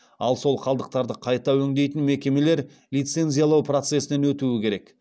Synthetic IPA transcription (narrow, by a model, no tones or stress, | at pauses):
ɑ̰lˠso̞lˠqʰɑlˠd̪əq̚t̪ɑɾd̪əqʰɑjt̪ɑwɵŋd̪e̞jt̪ɪnme̞kʲe̞me̞le̞ɾ | lʲijt̪se̞nzijalˠɑwpro̞t̪se̞sɪnenwɵt̪uɪkʲʰe̞ɾe̞k